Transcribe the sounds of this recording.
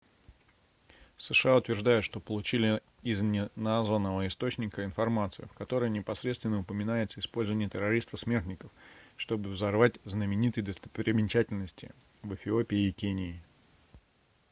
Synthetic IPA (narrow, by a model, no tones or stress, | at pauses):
səʂɨaʊt̪vʲɪrʐd̪ajɪt̪ʂt̪o̞pəlˠʊt͡ɕilʲɪ | ɪznʲɪnazvənːəvəɪst̪o̞t͡ɕnʲɪkəɪnfɐrmat̪sɨjʊ̰fkɐt̪o̞ɾəjnʲɪpɐsɾʲet̪st̪vʲɪnːəʊpəmʲɪnajɪt̪səɪspo̞lʲzəvənʲɪjət̪ʲɪɾɐɾʲist̪əsmʲe̞rt̪ʲnʲɪkəfʂt̪o̞bɨvzɐrvatʲznəmʲɪnʲit̪ɨjd̪əst̪əpɾʲɪmʲɪnʲt͡ɕætʲɪlʲnəsʲtʲɪ̰ | vɨfʲɪo̞pʲɪɪkʲenʲɪɪ